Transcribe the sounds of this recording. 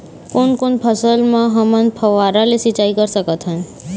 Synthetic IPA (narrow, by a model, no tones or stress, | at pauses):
konkonpʰəsəlmãɦəmənpʰəʋaɾalesit͡ʃaikəɾsəkət̪ʰɦən